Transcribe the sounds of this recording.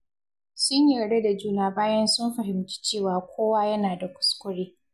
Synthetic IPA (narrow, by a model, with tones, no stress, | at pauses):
sʊ˦ɲjiː˨ɾɐ˨ɽe˦da˨d͡ʒuː˦naː˨baː˦jɐ˦nsʊ˦mɸɐ˨ɦɪ˨mt͡ʃi̥˦t͡ʃeː˦˨waː˨kʷʰoː˦waː˦jɐ˦naː˨da˨kʷʊ̥˨˦skʷʊ˦ɽiː˦